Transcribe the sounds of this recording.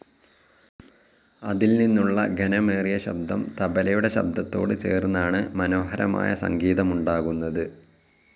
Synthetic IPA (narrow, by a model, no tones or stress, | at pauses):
ɐðilninːuɭːɐɡʱɐnɐmeːrijɐɕɐ̰b̚d̪ʱɐmt̪ɐbɐlɐjuɽe̞ɕɐ̰b̚d̪ʱɐt̪ːo̞ːɽɨt͡ɕe̞̰ːrunːaːɳɨmɐno̞ːɦɐɾɐma̰ːjɐsɐ̰ŋɡiːðɐmuɳɖaːɣunːɐðɨ